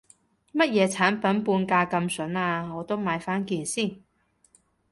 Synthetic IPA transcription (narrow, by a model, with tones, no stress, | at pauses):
mɐ˥t̚jɛː˨˧t͡sʰaː˨˥npɐ˨˥npuː˧nkaː˧kɐ˧msɵ˨˥naː˧ŋɔː˨˧t̪o˥wmaː˨˧jfaː˥nkiː˧nsiː˥˩n